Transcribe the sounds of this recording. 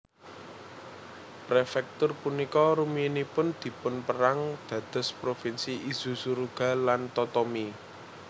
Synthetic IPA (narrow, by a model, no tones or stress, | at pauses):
pɾefɛk̚t̪ʊrpunikɔɾuminipʊnd̪̥i̤pʊnpəɾaŋd̪̥ä̤d̪̥ə̤spɾofinsiʔiz̥ṳsuɾuɡ̥a̤lant̪ɔt̪ɔmi